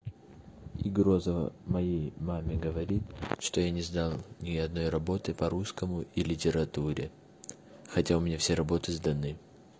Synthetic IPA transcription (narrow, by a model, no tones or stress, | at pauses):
iɡɾo̞zəvə̰mɐjejmamʲɪɡəvɐɾʲit̪ʂt̪ojanʲɪzd̪alˠnʲɪɐd̪no̞jrɐbo̞t̪ɨpɐɾuskəmʊʔilʲɪtʲɪɾɐt̪uɾʲɪ | xɐtʲaʊmʲnʲafsʲeɾɐbo̞t̪ɨzd̪ɐnɨ